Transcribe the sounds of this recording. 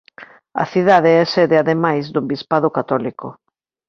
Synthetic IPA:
ɐ̰θiðaðeɛsɛðɪaðemajzðʊbispaðʊkat̪ɔlikʊ̰

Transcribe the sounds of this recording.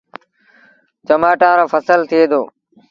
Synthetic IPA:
t͡ʃəmaːʈãːɾoːfəsəlt̪ʰɪeːd̪oː

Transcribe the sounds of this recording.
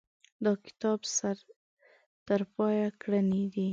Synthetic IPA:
d̪ɑkɪ̥t̪ɑbsaɾ | t̪əɾpɑjakɽəned̪i

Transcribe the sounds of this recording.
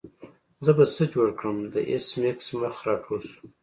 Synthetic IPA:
zəbat͡səd͡ʒoɽkɽəmd̪əʔesmiksməxɾɑʈʰosu̥

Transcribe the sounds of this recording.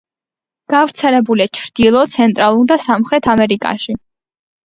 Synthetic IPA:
ɡ̥avɾt̪sʰɛlɛbuliat͡ʃʰɾd̪̥ilˠɔt̪sʰɛnt̪ʼɾalˠuɾd̪asamχɾɛt̪ʰamɛɾikʼa̰ʃi

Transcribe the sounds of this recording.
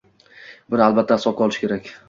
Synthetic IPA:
bɪnɪalbat̪ʰːasɒqʰɒlˠɪʃɪ̥kʰʲe̞ɾakʲ

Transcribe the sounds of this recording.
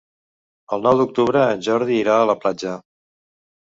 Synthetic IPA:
əlˠnɔwd̪uk̚t̪uβɾəːʒɔɾðiːɾaələplad͡ʒə

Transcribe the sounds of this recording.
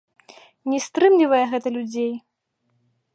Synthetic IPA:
nʲɛst̪ɾɨmlʲivɐjɛɣɛt̪ɐlʲud͡zʲej

